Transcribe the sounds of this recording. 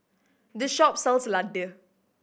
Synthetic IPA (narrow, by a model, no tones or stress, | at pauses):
dəʃɔp̚sɛlsladə